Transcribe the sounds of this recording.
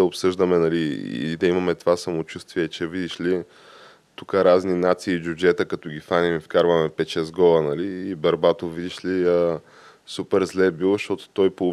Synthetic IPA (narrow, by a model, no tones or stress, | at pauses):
ɐopsɤʒd̪əmɛnɐliḭid̪ɐimɐmɛt̪ovasɐmot͡ʃust̪viɛt͡ʃɛvid̪iʃli | t̪ukəɾazninat̪siːbjud͡ʒɛt̪əkɐt̪ɔɡʲifanʲimifkaɾvɐmɛpɛt̪ʃɛzɡɔlˠənɐliːbɐɾbat̪ovid̪iʃliə | supɛɾzlɛbilˠoʃt̪ɔt̪ʊ̥t̪ɔjpo